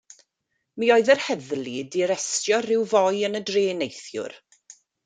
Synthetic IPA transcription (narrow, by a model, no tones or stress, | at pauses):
miɔɨðɛrhɛðlˠidiɾɛstjɔrɪwvɔjənədreːnejθjʊ̰r